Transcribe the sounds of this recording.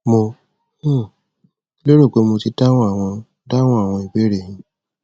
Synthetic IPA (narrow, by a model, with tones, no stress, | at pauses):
mõ˧˦˨ | lo˦ɾo˦˨k͡pe˨˦mo˧ti˧˦ta˦w̃ɔ̃˦a˦˨w̃ɔ̃˧ | da˦w̃ɔ̃˦a˦˨w̃ɔ̃˧i˨be˨˦ɾe˦˨hĩ˧